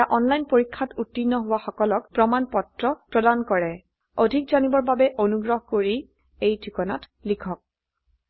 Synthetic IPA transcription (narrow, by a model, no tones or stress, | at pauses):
aʔɔnlajnpoɹikʰːatutːinːɔɦʊwaxɔkɔlɔkpɹɔmanpɔtɹɔpɹɔdankɔɹɛ | odʱikzanibɔɹbabɛʔonuɡɹɔɦkoɹi | ejdʰʱikɔna̰t | likʰɔk̚